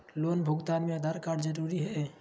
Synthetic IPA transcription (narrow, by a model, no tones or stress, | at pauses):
loːnbʱʊɡt̪aːnmẽəd̪ʱaɾkaːɖd͡ʒəɾuɾiɦɛ